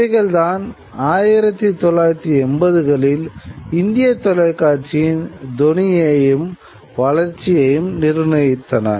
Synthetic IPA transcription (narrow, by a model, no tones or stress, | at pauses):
ɐɪɣɐɭt̪aːn | aːjɪɾɐt̪ːit̪ɔlːaːjɪɾɐt̪ːiɛnbɐðɯɣɐɭɪlɪnd̪ɪjɐt̪ːɔlɐɪkːaːɾt͡ʃijɪnd̪ɔnɪjɐjɯm | ʋɐlɐɾt͡ʃːɪjɐjɯmnɪɾnɐjɪt̪ːɐnɐ̰